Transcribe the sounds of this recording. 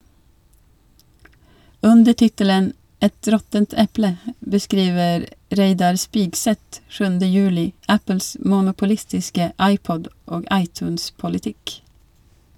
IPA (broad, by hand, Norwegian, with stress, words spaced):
ˈʉndə ˈʈɪtələn ˈɛt ˈɾɔtənt ˈɛplə bəˈskɾiːʋəɾ ˈɾeɪdɑɾ ˈspɪɡsɛt ˈʃʉːndə ˈjʉːlɪ ˈæpəls mʊnʊpʊˈlɪstɪskə ˈɑɪˌpɔd ˈoːɡ ˈɑɪˌtʉːnspʊlɪˌtɪk